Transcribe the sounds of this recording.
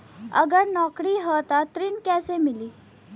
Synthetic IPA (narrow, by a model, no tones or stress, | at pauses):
ə̰ɡəɽnɔkɽiːɦət̪at̪ɾiːnkɛsemiliː